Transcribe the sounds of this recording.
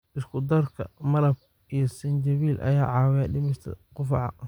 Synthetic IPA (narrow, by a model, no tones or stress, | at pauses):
ʔɪskʰʊd̪ɐrkʰɐ̰mɐlɐb̚ | ʔijɞsɐnd͡ʒɐβiːlʔɐ̰jaːʕɑːwɛɖɪmɐʃt̪ʰɐ̰qʊfʕɑ̰